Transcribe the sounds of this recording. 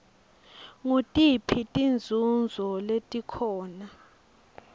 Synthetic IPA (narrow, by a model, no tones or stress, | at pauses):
ŋotʼipʰitʼind͡zʱund͡zʱɔletʼikʰɔːna